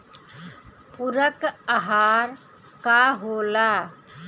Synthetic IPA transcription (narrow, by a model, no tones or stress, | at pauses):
pʊɾəkaɦaːɾ | kaːɦoːlaː